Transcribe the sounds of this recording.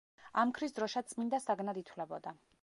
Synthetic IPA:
amkʰɾisd̪ɾɔʃat̪sʼmind̪asaɡnad̪it̪ʰwlɛbɔd̪a

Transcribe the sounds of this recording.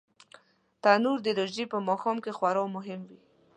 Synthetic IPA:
t̪anuɾd̪əɾaʒipəmɑxɑmkexwaɾɑwmʊɦɪmwi

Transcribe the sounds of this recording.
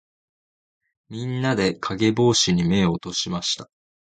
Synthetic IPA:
mʲĩnːad̪e̞kʰaɡe̞bo̞ːɕiɲ̟ime̞ot̪o̞ɕimaɕi̥t̪ḁ

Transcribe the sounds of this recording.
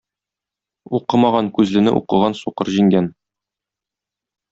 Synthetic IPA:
uqɤmɑʁɑŋkʉzlɘ̆nɘ̰ʔṵqɤ̆ʁɑnsuqɤɾʑiŋɡæn

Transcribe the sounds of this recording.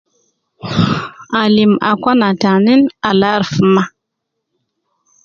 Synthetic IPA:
alima̰kʷanataninalaɾfəma

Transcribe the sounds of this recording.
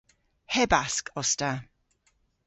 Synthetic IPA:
hɛbaskʰɔsta

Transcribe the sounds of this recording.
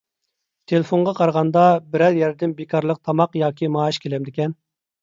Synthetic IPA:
t̪ʰelɪfoɴʁɑqʰɑɾʁɑnd̪ɑbɪɾɛljæɾd̪ɪnbekʰɑɾlˠəq̚t̪ʰɑmɑqjɑːkʲʰimɑːʃkʲʰelɛmd̪ɪkʲɛn

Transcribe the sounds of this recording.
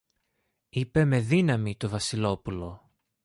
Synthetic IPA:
ipe̞me̞ðinɐmit̪o̞vɐsilo̞pulo̞

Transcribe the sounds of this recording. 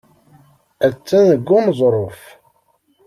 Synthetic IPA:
æt͡sːænəɡːumzˤɾˤof

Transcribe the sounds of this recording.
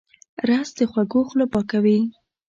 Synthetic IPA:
ɾasd̪əxwaɡoxlopɑkawi

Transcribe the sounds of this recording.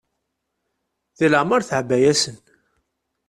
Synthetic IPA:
ðiləʕməɾθʕəbːæjæsən

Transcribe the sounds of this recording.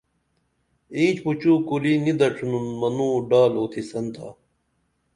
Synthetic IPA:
ĩːt͡ɕput͡ɕuːkulinid̪ɐʈ͡ʂʰununmɐnuːɖaːloːt̪ʰisɐnt̪ʰa̰ː

